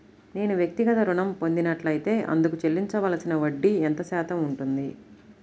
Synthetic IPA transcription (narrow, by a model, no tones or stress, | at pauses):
ne̞ːnuʋjɐk̚t̪iɡɐt̪ɐɾuɳɐmpo̞nd̪inɐʈlɐjit̪e̞ːʔɐ̰nd̪ukut͡ʃelːiɲt͡ʃɐʋaːlsinɐʋɐɖːiɛnt̪ɐsɛːt̪ɐmuɳʈund̪i